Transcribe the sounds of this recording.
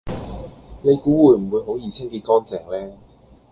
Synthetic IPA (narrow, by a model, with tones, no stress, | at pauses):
ne˨˧jkuː˨˥wuː˨˧jm̩˨˩wuː˨˧jɦo˨˥wjiː˨˩t͡sʰɪ˥ŋkiː˧t̚kɔː˥nt͡sɛː˨˩ŋlɛː˥